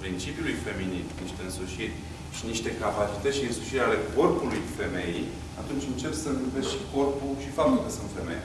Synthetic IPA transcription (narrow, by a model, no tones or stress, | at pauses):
pɾint͡ʃipjulujfe̞minit̪niʃt̪e̞ɨnsuʃirʲ | ʃiniʃt̪e̞kapat͡ʃit̪ətʃiɨnsuʃiɾʲeale̞ko̞rpulujfe̞me̞jḛj | at̪unt͡ʃʲɨnt͡ʃe̞psənɨvesʃi̥ko̞rpuʃifamilkəsunt̪fe̞mḛjḛ